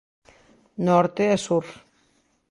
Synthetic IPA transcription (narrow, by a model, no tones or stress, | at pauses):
nɔɾt̪eesuɾ